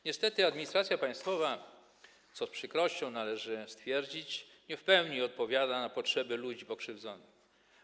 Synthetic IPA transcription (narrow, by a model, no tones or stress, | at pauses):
ɲɛst̪ɛt̪ɘad̪mʲiɲist̪ɾat̪sʲjapaj̃st̪fɔva | t̪sɔspʂɘkɾɔɕt͡ɕɔ̃w̃nalɛʐɘst̪fʲjɛɾd͡ʑit͡ɕ | ɲɛfpɛwɲiɔt̪̚pɔvʲjad̪anapɔtʂɛbɘlud͡ʑipɔkʂɘvd̪zɔnɪx